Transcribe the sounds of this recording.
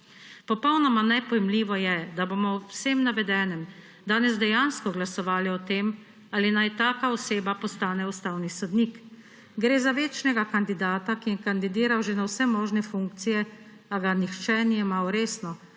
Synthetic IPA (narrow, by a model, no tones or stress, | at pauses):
pɔpɔwnɔmanɛpɔjɛmliːʋɔjɛd̪aboːmɔwseːmnaʋɛd̪ɛːnɛm | d̪aːnɛzd̪ɛjanskɔɡlasɔʋaːliɔt̪eːm | aːlinajt̪aːkaɔseːbapɔst̪aːnɛust̪aːwnisɔd̪nik | ɡɾeːzaʋet͡ʃnɛɡakand̪id̪aːt̪akijɛkand̪id̪iːɾawʒenawsɛmɔːʒnɛfuŋkt̪sijɛ | aɡanixt͡ʃɛnijɛmawɾeːsnɔ